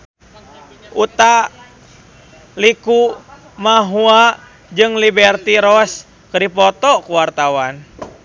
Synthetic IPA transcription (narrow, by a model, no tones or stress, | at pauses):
ʔut̪a | liku | maɦua | d͡ʒɨŋlibɛrt̪iɾɔs | kədipɔt̪ɔkuwart̪awan